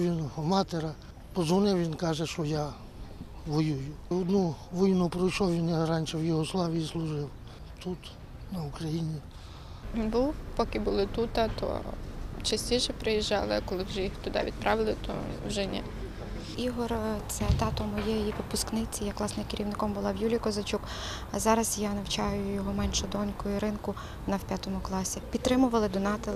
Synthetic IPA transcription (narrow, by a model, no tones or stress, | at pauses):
ʋʲinɦɔmɑt̪eɾɐ | pɔzʋɔnɪwʋʲinkɑʒɛʃɔja | ʋɔjujʊɔd̪nuʋɪjnupɾɔjʃɔwʋʲinjaɾɑnʲʃɛwjʊɦɔslˠɑʋʲijislˠʊʒɪw | t̪ut̪ | nɐʊkɾɐjinʲi | inbuwpɔkɪbʊlˠɪt̪ut̪ɑt̪ɔ̰t͡ʃɐsʲtʲiʃɛpɾɪjiʒːɑ̰lˠɪkɔlˠɪwʒɛjixt̪ʊd̪ɑ̰ʋʲḭd̪pɾɑʋɪlˠɪt̪ɔ̰wʒɛnʲɛ̰ | iɦɔrt̪sɛt̪ɑt̪ɔmɔjɛjjiʋɪpʊsknɪt͡sʲijɐkːlˠɑsnɪjkɪɾʲʔiwnɪkɔmbʊlˠɑwjulʲijkɔzɐt͡ʃuk | zɑɾɐzjanɐwt͡ʃɑjʊjɔɦɔmɛnʃʊd̪ɔnʲkɔjʊɾɪnkʊ | nɐwpʲjat̪ɔmʊklˠɑsʲipʲit̪t̪ːɾɪmʊʋɐlˠɪd̪ɔnɑt̪ɪl